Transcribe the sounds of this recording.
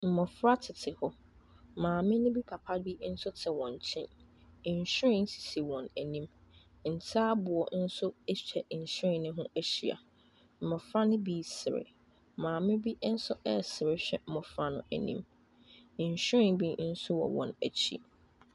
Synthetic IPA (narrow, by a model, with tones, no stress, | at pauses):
m̩˨mɔ˨fɾa˦tʰɪ˨tʰɪ˨hɔ˦ | mãː˨mɪ̃˦nʊ̃˦bi˦pʰa˨pʰa˦bi˦n̩˦sʊ˦tʰɪ˨wɔ̃˨ɲ˨t͡ɕʰɪ̃˦n˨ɲ̩˨ɕᶣɾɪ̃˦n̩˦si̥˨si˨wɔ̃˨næ˨nĩ˦m˨ | n̩˨tʰaː˦bʊ˨ɔ˨n̩˦sʊ˦ɛ˦ɕᶣɛ˨ʔ̩˨ɕɪ̃˦˨nɪ̃˦ɦʊ̃˦æ˦ɕi˨a̰˨ | m̩˨mɔ̃˨fɾa˦nʊ̃˦bi˦sɪ˨ɾɪ̰˨ | mãː˨mɪ̃˦bi˦n̩˦sʊ˦ɛ˦sɪ˨ɾɪ˦ɕᶣɛ̰˦m̩˨mɔ̃˨fɾa˦nʊ̃˨æ˨nḭ̃˦m̩˨ | ɲ̩˨ɕᶣɾɪ̃˨nbi˦n̩˦sʊ˦wɔ̰˨wɔ̰̃˨næ̰˨t͡ɕʰḭ˦